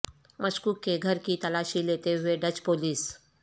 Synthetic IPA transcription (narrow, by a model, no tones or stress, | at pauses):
mʔɐʃkuːkːeɡʱɐɾkit̪ɐlaːʃileːt̪eɦʊeɖɐt͡ʃpoːliːs